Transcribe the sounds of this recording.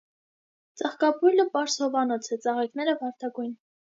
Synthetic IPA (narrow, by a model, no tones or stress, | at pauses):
t͡sɑχkɑpʰujləpɑɾshɔvɑnɔt͡sʰɛt͡sɑʁɛknɛɾəvɑɾt̪ʰɑɡujn